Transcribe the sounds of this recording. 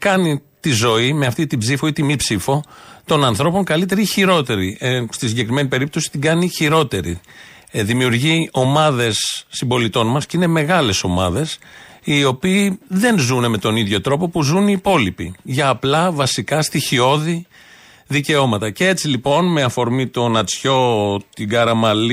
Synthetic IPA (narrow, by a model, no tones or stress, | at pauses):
kɐnit̪izo̞ime̞ɐft̪it̪ibzifoit̪imipsifo̞t̪o̞nɐnθɾo̞po̞ŋkɐlit̪e̞ɾiiçiɾo̞t̪e̞ɾist̪isiɲɟe̞kɾime̞nipe̞ɾip̚t̪o̞si̥t̪iɡɐniçiɾo̞t̪e̞ɾḭ | ðimiuɾʝio̞mɐðe̞sːimbo̞lit̪o̞nmɐsceine̞me̞ɣɐle̞so̞mɐ̰ðe̞sio̞piːðe̞nzune̞me̞t̪o̞niðʝo̞t̪ɾo̞po̞puzuniːpo̞lipḭʝɐːplɐvɐsikɐst̪içio̞ði | ðice̞o̞mɐt̪ɐcee̞t͡silipo̞nme̞ɐfo̞ɾmit̪o̞nɐt͡sço̞t̪iɡɐɾɐmɐli